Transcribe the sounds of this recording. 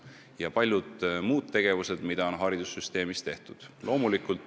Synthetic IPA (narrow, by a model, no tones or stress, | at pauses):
jɑpɑlʲjud̪muːd̪t̪ːe̞ɡ̥e̞vuse̞d̪̥mid̪̥ɑo̞nɦɑɾid̪̥usːyst̪e̞ːmist̪e̞ht̪ud̪̥lʔo̞ːmulikːˑult̪